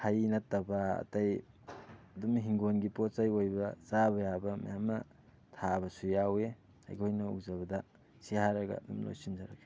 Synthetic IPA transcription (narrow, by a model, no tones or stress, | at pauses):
hʰajnɐtːɐbɐ̰ːtaj | ɐdumɦiŋɡonɡipotsajojbɐzabɐjabɐma̰jamnɐ | tʰabɐsujawe | a̰jkʰojnɐṵzaβɐdɐ | sihaɾɐɡɐ̰ːdumlo̰jsimzaɾɐke